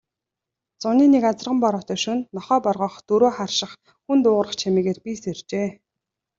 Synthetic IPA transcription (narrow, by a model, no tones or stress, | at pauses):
t͡sʊniːnekat͡sə̆rʁə̆mpɔɾɔːt̪œːʃunnɔχœːpɔrʁɞ̆ːχt̪ɵɾoːχarʃɪ̆χ | xunt̪ʊːʁɾə̆χt͡ɕʰamiːɣeːrpiːsert͡ɕeː